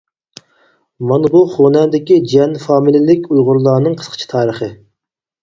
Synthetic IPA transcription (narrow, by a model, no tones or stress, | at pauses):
mɑnbuχonɛnd̪ɪkʲid͡ʒiɛnfɑːmilɪlɪkʲujʁʊɾlˠɑːnɨŋqʰə̥sqʰə̥t͡ʃʰi̥t̪ʰɑːɾəχə